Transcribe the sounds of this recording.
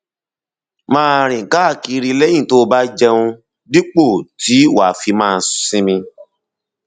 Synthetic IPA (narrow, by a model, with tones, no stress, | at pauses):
mãː˦ɾ̃ĩ˨ka˦˨ki˧ɾi˧lɛ̃˦ĩ˦˨to˨˦˧ba˦d͡ʒɛ˧ũ˧ | di˦k͡po˦˨ti˨˦wa˨fi˧mãː˦˧˦ssĩ˦mĩ˧